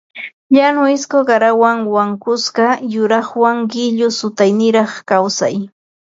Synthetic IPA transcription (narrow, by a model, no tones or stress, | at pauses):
ʎanʊɪskoɢɑɾawaŋwaŋkʊsɢɑjʊɾɑχwaŋɢɪʎʊsʊt̪ajnɪɾɑχkawsa̰j